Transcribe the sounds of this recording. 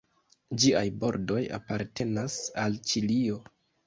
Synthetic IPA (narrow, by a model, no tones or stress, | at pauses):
d͡ʒiajbo̞ɾdo̞ja̰paɾte̞nasalt͡ʃilio̞